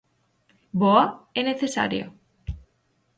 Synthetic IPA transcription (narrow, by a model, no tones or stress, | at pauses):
boaeneθesa̰ɾjo̰